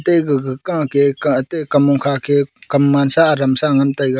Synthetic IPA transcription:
teɡɡkaketekɐmuŋkʰakʰekɐmːansaːɾɐmsaŋɐntajɡa

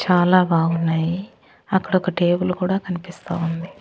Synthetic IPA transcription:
t͡ʃaːlaːbaːɡunːaːji | ɐkːɐɽɔkɐʈe̞ːbulkuːɽaːkɐnipist̪aːund̪i

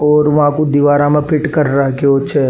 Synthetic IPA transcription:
ɔːɾʋɐɦãkod̪iʋaːɾãmẽpɪʈkɐɾɾɦkeoːtːʃʰe

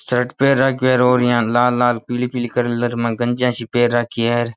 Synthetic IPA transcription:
sɾəʈpeːɾaːkːeːɾoːɾjãːlaːlːaːlpiːlipiːlkəɾləɾmãːɡənd͡ʒjãːʃiːpeːɾːaːkʰiːeɾ

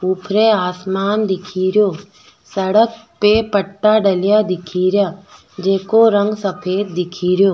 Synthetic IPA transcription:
uːpʰɾeaːsmaːnd̪ɪkʰiːɾjoː | sɐɽək̚pepəʈːaɖɐlɪjad̪ɪkʰiːɾjaː | d͡ʒeːkoɾə̃ŋɡsɐpʰeːd̪̚d̪ɪkʰiːɾjoː

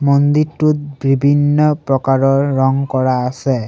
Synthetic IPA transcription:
mɔnd̪iɾʈut̪̚bibʱinːɔpɾɔkaɾɔɹːɔŋkɔɹaːse

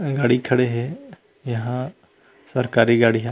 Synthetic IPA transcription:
ɡaːɽikʰɐɽeɦɛ | jɐɦã | səɾkaːɾiɡaːɽiɦɛ

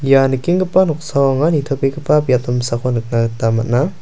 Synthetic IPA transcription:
janɯkiŋɡɯpanɔksawaŋanitʰɔpekɯpapjaptɔmsakʰɔnɯk̚naɡt̪amat̚na

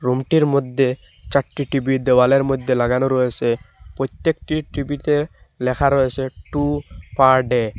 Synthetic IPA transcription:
ɾumʈiɾmod̪ʱːe | t͡ʃaʈːiʈibid̪ewaleɾmojd̪ʱːelaɡanoɾɔesepɾɔjt̪jekʈiʈɾibit̪e | lɛkʰaɾɔeseʈupaɾɖe

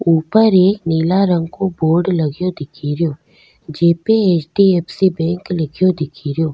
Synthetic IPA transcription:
uːpəɾeːkniːlaɾə̃ŋɡkoboːɾɖlɐɡjod̪ɪkʰiːɾjoː | d͡ʒeːpeeːt͡ʃɖieːpsibɛ̃ːŋklɪkʰjod̪ɪkʰiːɾjoː

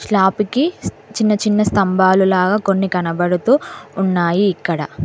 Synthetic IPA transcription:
ʃɭaːpiki | t͡ʃinːɐt͡ʃinːɐst̪ɐmbʱaːlulaːɡaːko̞nːikɐnɐbɐɽut̪uːnːaːjiːkːɐɽɐ̰

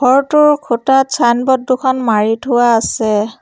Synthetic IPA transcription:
ɡʱɔɹtʊɹkʰutatsʰanbɔdːukʰɔnmaɹitʰʊaːsɛ

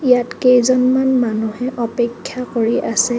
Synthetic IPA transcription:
ijatkejzɔnmanmanuhɛʔɔpekʰːjakoɹiʔasɛ

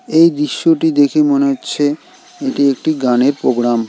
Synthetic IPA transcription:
ejd̪ɾiʃːoʈid̪ekʰemoneɦotːɕʰe | eʈiek̚ʈiɡaneɾpɾoɡɾam

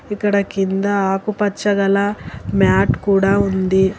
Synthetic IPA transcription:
ikːɐɽɐkind̪ɐaːkupɐt͡ʃːɐɡɐlɐmjaːʈkuːɽaːund̪i

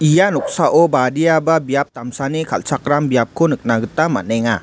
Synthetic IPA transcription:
ijanɔk̚saʔɔbadijababijap̚t̪amsanikʰalsak̚ɾambijap̚kʰunɯk̚naɡɯtama̰neŋa

